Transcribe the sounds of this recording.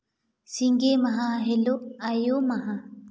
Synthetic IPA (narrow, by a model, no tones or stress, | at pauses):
siŋɡemaɦãɦeloajomaɦã